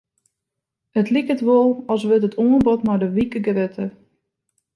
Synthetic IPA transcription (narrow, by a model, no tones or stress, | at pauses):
ətlikətʋolˠɔlˠsʋɪtətʰoənbɔtmadəʋikəɡrɪtʰə